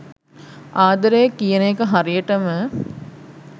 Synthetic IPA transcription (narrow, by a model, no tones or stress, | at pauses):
aːd̪ɐɾejəkːijənejkəɦaɾijəʈəmə